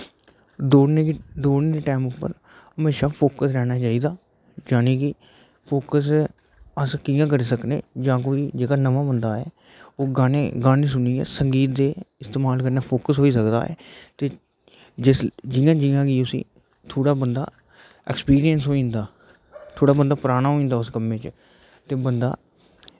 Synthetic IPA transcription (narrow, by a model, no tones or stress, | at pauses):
d̪oːned̪oːeːɾeːʈɛːmʊpːə̰ɾ | əmeːʃaːpʰoːkəsɾɛːɽ̃aːt͡ʃaːiːd̪aː | d͡ʒaːneːkɪ | pʰoːkəs | əskɪjãːkəɾeːsəknḛːd͡ʒãːk̬oːiːd͡ʒeːkaːnəʋãːbənd̪aːɛ̰ː | oːɡaːneːɡaːnẽːs̬ʊniːɛ̰ːsəŋɡiːt̪̚d̪eːɪst̪eːmaːlkəɾnaːpʰoːkəsɦoːiːsəkd̪a̰ːɛ̰ːt̪eː | d͡ʒɪsd͡ʒɪjãːd͡ʒɪjãːɡiːʊsḭ̃ː | t̪ʰoːɽaːbənd̪a̰ː | ɛ̰ːkspiːɾijənsɦoːĩːnd̪aː | t̪ʰoːɽaːbənd̪aːpəɾaːɽ̃aːɦoːĩːnd̪aːʊskəmẽːt͡ʃ | t̪eːbənd̪a̰ː